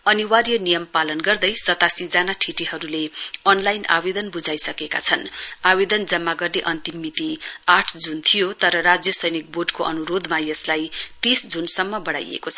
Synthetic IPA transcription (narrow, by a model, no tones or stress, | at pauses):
ʌniwarjʌnijʌmpalʌnɡʌrd̪ʌjsʌt̪asid͡zanaʈʰiʈiɦʌɾuleʌnlajna̰bed̪ʌnbud͡zajsʌkeka̰t͡sʰʌnabed̪ʌnd͡zʌmːaɡʌrneʔʌnt̪imːit̪iaʈʰd͡zunt̪ʰijot̪ʌɾʌɾad͡zjʌsʌjnik̚boɖkoʔʌnuɾod̪majʌslajt̪isd͡zunsʌmːʌbʌɽa̰jḛkot͡sʰʌ